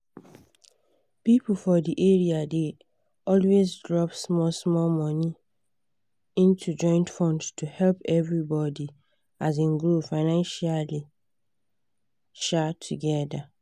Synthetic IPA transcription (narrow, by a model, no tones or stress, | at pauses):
pip̩fɔdiʔeɹiade | ɔlwezdɹɔpsmɔsmɔlmɔni | ĩntʰud͡ʒɔ̃ɪ̃ntfɔ̃ndstʰuhɛlpɛvɹibɔdi | azĩnɡɹofaɪnãnʃali | ʃatʰuɡɛda